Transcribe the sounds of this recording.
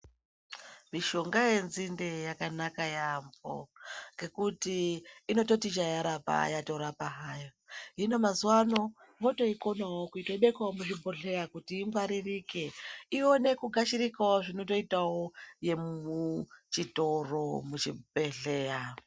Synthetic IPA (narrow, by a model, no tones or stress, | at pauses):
miʃo̞ŋɡaje̞nzindejakanakajambo̰ŋɡe̞kutiino̞to̞tit͡ʃajaɾapa̰jatoɾapaɦajo | ino̞mazwano̞ | moto̞iko̞nawokuitaiɓekwawomuʐibʱo̞ɮe̞jakutiːɱvaɾirike̞io̞ne̞kuɡʱaʃiɾikawoʐino̞to̞itawo̞je̞mut͡ʃito̞ro̞mut͡ʃibʱeɮe̞ːja